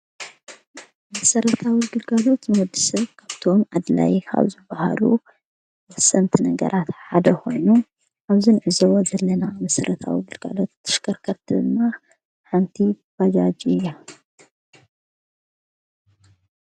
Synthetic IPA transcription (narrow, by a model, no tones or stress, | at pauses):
mɐsɐɾɐt̪ʰawiɡɨlɡalo̞t̪nɨwɔd̪ːɨsɐβkʰaβt̪ʰo̞mʔad̪la̰jkʰa̰βzɨbːaha̰lṵ | sɐnt̪ʰnɐɡɐ̰ɾʔat̪ħad̪ɐkʰo̞jnu | ʔaβzinʕɨzowozɐlːɐnamɐsɐɾʔɐt̪ʰa̰wiɡɨlɡa̰lo̞t̪ʰːɐ̥ʃkʰɐɾkʰɐɾt̪ʰɨnːa | ħant̪ʰi | b̥ad͡ʒad͡ʒɨjːa